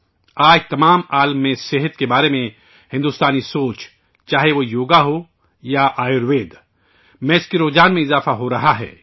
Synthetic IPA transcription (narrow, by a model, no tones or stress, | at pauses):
aːd͡ʒt̪ɐmaːmaːlmːẽseɦət̪kebaːɾemẽ | hɪ̃nd̪ust̪aːnisoːt͡ʃ | t͡ʃaːɦeʋojoːɡaɦo | jaʔaːjʊɾʋeːd̪ | mɛ̃ːɪskiɾoːd͡ʒaːnmẽɪzaːfaɦoɾɐɦaɦɛ̰ː